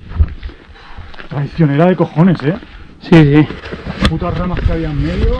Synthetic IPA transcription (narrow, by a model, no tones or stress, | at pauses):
t̪ɾaðiθjo̞neɾaðeko̞xo̞ne̞sesisiput̪aramaskaɾiamːeð